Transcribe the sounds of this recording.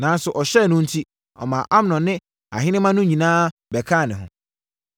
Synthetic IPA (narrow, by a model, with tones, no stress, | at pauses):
nã˨˦n˦sʊ˨ʔɔ˨ɕɛ˦˨nʊ̃˦n̩˦tʰi˦ | ɔ̰˨mã˨ʔa˦mnɔ̃˨nɪ̃˦ | a̰˨ɦɪ̃˦nɪ̃˦mã˦nʊ̃˦ɲĩ˨nãː˦bɛ˨kʰaː˦˨nɪ̃˨ɦʊ̰̃˨